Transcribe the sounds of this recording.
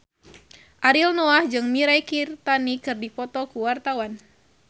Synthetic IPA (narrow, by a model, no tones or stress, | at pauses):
ʔaɾilnɔahd͡ʒɨŋmiɾajkirt̪anikɨrdipɔt̪ɔkuwart̪awan